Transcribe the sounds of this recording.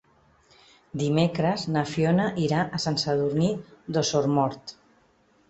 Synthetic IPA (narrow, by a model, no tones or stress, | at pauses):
d̪imekɾəznafjonəʔiɾaʔəsansəðuɾnid̪osoɾmɔɾt̪